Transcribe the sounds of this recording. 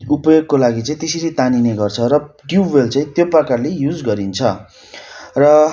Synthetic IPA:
upʌjoɡkolaɡit͡saĩt̪eseɾit̪anineɡʌrt͡sʰʌɾʌɖjubelt͡sãĩt̪joprʌkarlejud͡zɡʌɾint͡sʰʌ | rʌ

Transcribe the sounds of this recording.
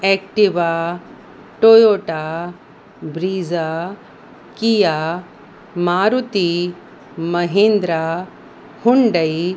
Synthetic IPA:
ek̚ʈiʋa | ʈojoːʈa | bɾiːza | kija | maːɾut̪i | mɐɦĩnd̪ɾa | huɳɖɐj

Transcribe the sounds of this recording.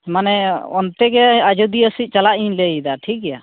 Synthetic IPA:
manɛɔnt̪ɛɡɛad͡ʒud̪iəsit̪̚t͡ʃalaʔiɲlejd̪aʈʰik̚ɛja

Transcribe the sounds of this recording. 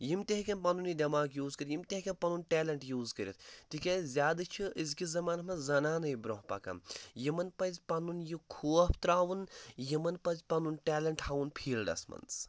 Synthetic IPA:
jimt̪eɦkʲɐnpɐnunid̪ʲɐmaːɡjuːzkɐɾʲjimt̪ʲeɦkʲenpɐnunʈeːlɐɳʈjuːzkɐɾʲḭt̪ʰt̪ikʲezʲaːd̪ɨt͡ʃʰiizkizɐmaːnɐmɐzɐnaːnɐjibɾoɦpɐ̰kɐ̰mjimɐnpɐzʲpɐnunjikʰuːɐpʰt̪ɾaːʋunjimɐnpɐzʲpɐnunʈeːlɐɳʈhaʋunpʰiːlɖɐ̰smɐ̰nt͡s

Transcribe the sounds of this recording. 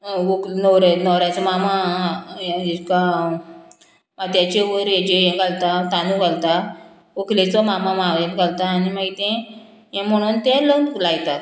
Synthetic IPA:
oknɔɾanɔwɾat͡sɔmama | ika | maɡt̪jat͡ɕeʋəɾjẽd͡ʑejɛ̃ɡʱalt̪at̪anũɡʱalt̪a | oklet͡sɔmamãmaʋɛ̃t̪ɡalt̪aːnimaɡit̪ɛ̃ | jɛ̃m̤əɽ̃unt̪ɛ̃lənlajt̪at̪

